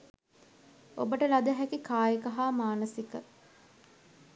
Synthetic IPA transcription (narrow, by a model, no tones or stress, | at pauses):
o̰bəʈəlad̪əɦækikaːjəkɐɦaːmaːnəsikə